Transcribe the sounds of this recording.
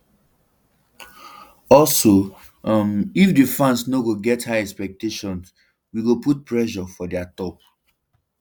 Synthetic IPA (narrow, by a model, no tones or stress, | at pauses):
ɔlso | mifdefɹãnsnoɡoɡɛthaɛkspɛk̚teʃɔ̃ns | wiɡoput̚pɹɛʃɔfɔdɛatɔp̚